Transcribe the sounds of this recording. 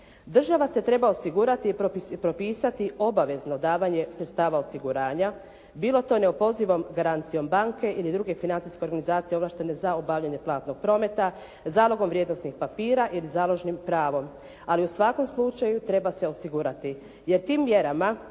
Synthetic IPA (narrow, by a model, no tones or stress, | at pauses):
d̪r̩ʒaʋase̞t̪ɾe̞bao̞siɡuːɾat̪ipɾo̞piːsat̪iʔo̞baʋe̞zno̞d̪aːʋaɲe̞sɾet̪st̪aːʋao̞siɡuɾaːɲa | biːlˠo̞t̪o̞neopo̞ziʋo̞mɡaɾant̪sijo̞mbaŋke̞ʔilid̪ɾuɡe̞finant̪ijske̞oɾɡanizaːt̪sijeo̞lˠaːʃt̪e̞ne̞zaobaʋʎaɲe̞plˠaːt̪no̞ɡ̥̚pɾo̞ːme̞t̪a | zaːlo̞ɡo̞mʋɾje̞d̪no̞snixpapiːɾaʔilizaːlˠo̞ʒnimpɾaːʋo̞m | aliusʋako̞mslˠut͡ʃajut̪ɾe̞base̞o̞siɡuɾat̪i | je̞ɾt̪iːmːje̞ɾama